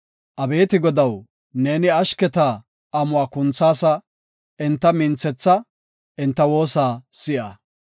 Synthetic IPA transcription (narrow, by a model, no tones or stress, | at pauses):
ʔɐbe̞ːt̪ɪɡɔd̪ɐw | ne̞ːnɪɐʃkɛt̪a | ʔɐmʊaːkʊnt͡sːaːsɐ | ʔɪnt̪ːɐmɪnt͡sːɛt͡sːɐ | ʔɪnt̪ːɐwo̞ːsaːsɪʔɐ